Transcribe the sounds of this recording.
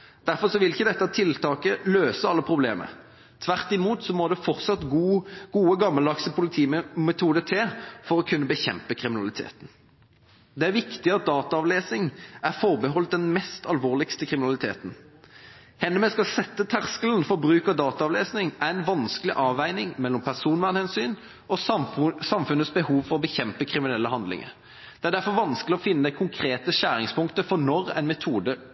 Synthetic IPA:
d̪̥æʁfɔsɔʋɪlɪçəd̪ɛt̪ːɑt̪ʰɪlt̪ʰɑːkəløːsəɑlːəpʰʁʊblḛːmə̰ | t̪ʰʋæʁt̪ɪmuːt̪sɔmoːd̪ɛfɔʁt̪sɑt̪ɡuɡ̥uːəɡɑmːəlɑksəpʰʊlɪt̪ʰiːmɛt̪ʰuːd̪ət̪ʰɛːfɔʁɔkʰʉnːəbəçɛ̰mpəkʰʁɪmɪnɑlɪt̪ʰḛːt̪n̩ | d̪ɛæɾʋɪkt̪ɪɑt̪̚d̪ɑːt̪ɑɑʋleːsnɪŋæɾfɔʁbəɦɔlt̪̚d̪ɛnmɛst̪ɑlʋoːʁlɪkst̪əkʰʁɪmɪnɑlɪt̪ʰḛːt̪n̩ | hɛnːəmɛskɑlsɛt̪ːət̪ʰæʁskələn̩fɔbʁʉːkəd̪ɑːt̪ɑɑʋleːsnɪŋʔæɾæɪnʋɑnskəlɪʔɑːʋæɪnɪŋmɛlːɔmpʰæʁsuːnʋæːʁnhɛnsyːn | ʔɔsɑmfʉnəsbəhuːʋfɔʁɔbəçɛmpəkʰʁɪmɪnɛlːəɦɑnd̪lɪ̰ŋə̰ɾ | d̪̥ɛæʁɖ̪æfɔɾʋɑnsklɪɔfɪnːəd̪æɪkʰʊŋkʰɾeːt̪əɕæːɾɪŋspʊŋkt̪əfɔnɔɾæ̰ɪnmɛt̪ʰuːd̪ə

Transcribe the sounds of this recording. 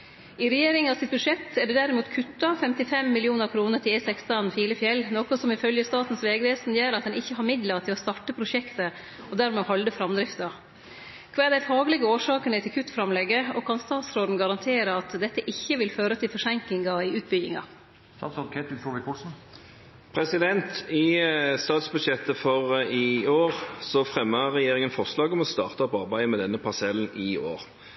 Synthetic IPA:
ɪɾɛjeːɾɪŋnɑsɪt̪̚bʉʂɛt̪ːæɖɛd̪æɾɪmuːt̪kʰʉt̪ːɑfɛmt̪ɪfɛmːɪlɪuːnəɾkʰɾuːnəʈʰɪlɛsɛkst̪ɑnfiːləfjɛlːnoːkɔsɔmɪfœljəst̪ɑːt̪n̩sʋeːɡəʋeːsnjeːɾɑt̪̚d̪ɛnɪçːəɦɑɾmɪd̪lɑt̪ʰɪlɔst̪ɑʈːəpʰɾʊʃɛkt̪ə | ɔd̪æːɾmɛɔhɑld̪əfɾɑmd̪ɾɪft̪ɑ | kʰʋɑːd̪æɪfɑːɡlɪɡəoːʂɑːkənəɪt̪ʰɪlkʰʉt̪ːfɾɑmlɛɡəɔkʰɑnst̪ɑːt̪sɾoːd̪n̩ɡɑɾɑnt̪ʰeːɾəɑt̪d̪ɛt̪ːəʔɪçːəʋɪlføːɾət̪ʰɪlfɔʂɛŋklɪŋɑɪʉːt̪̚bʏɡɪŋɑ̰ | sɑsɔkʰɛt̪ʉfoːʋɪkʰʊsn̩ | pʰʁɛsɪd̪ɛnt̪ɪst̪ɑːt̪sbʉd̪ʃɛt̪ːəfɔʁɪoːʁsɔfʁɛmːəʁɛjeːʁɪŋənfɔʁslɑːɡɔmɔst̪ɑ̰ːʁt̪əɑpɑʁbæɪmɛd̪ɛnːəpʰɑsɛln̩ɪoːʁ

